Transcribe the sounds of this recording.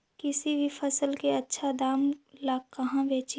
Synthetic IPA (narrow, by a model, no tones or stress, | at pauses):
kɪsibʱipʰəsəlkeɐtːʃʰad̪aːmlaːkɐɦãbeːt͡ʃ